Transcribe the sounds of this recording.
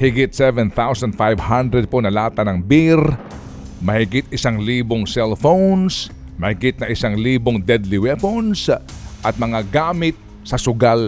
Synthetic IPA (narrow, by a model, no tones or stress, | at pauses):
hɪɡɪt̪̚sɛvɛnθawsɐnd̪̚fajvhand̪ɾɛd̪̚ponɐlaːt̪ɐnɐŋbɪɾ | mɐhɪɡɪt̪ɪsaŋliːboŋsɛlfowns | mɐhɪɡɪt̪̚nɐʔɪsaŋliːboŋd̪ɛd̪liwɛfonsʔɐt̪̚mɐŋaɡaːmɪt̪̚ | sɐsʊɡal